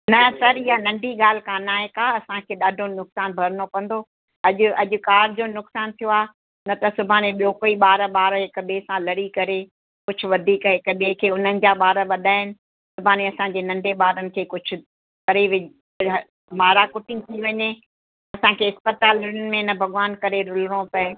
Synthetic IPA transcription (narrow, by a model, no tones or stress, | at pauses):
nɐsɐɾɪɦanɐ̃ɳɖʱiɠaːl̤ɪkãːnaːɦekaːɐsãkʰeːɗaːɖʱonʊksaːnbʱɐɾnokɐ̃n̆d̪oː | ɐʄʊɐʄʊ̆kaːɾɪd͡ʑoːnʊksaːnt̪ʰijoaː | nɐt̪ɐsʊbʱaːnẽɓijoːkoiɓaːɾəɓaːɾɦɪkɓeːsãlɐɽikɐɾe | kʊd͡ʑʰʱʊ̆ʋɐd̪ʱiːkɦɪkɓekʰeːʊn̤ənɪ̆d͡ʑaːɓaːɾəʋɐd̪ʱaːɪnɪ̆ | sʊbʱaːneɐsãɲd͡ʑeːnɐ̃ɳɖʱeɓaːɾənɪ̆kʰeːkʊd͡ʑʱʰʊ̆ | kɐɾiʋ | maːɾakʊʈʰɪ̃ŋt̪ʰiʋɐɲe | ɐsãkʰeːɪspət̪aːlʊɾʊnɪ̆mẽnɐbʱɐɠʋaːnkɐɾeɾʊlɾõpɐɪ